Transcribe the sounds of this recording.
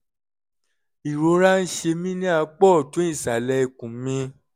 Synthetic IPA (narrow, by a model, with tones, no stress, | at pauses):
i˨ɾo˨˧˦ɾa˦n̩˦ʃe˧mĩ˦nĩ˦a˧k͡pɔ˦˨tõ˨˦ĩ˦˨sa˨lɛ˧˦i˦˨kũ˨˦mĩ˧˦